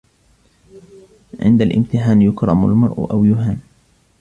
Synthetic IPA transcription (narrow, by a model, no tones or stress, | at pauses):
ʕɪ̰nd̪alʔɪ̰mt̪ɪħaːnjʊkɾˤɑma̰lmɑɾˤʔʔawjʊɦaːn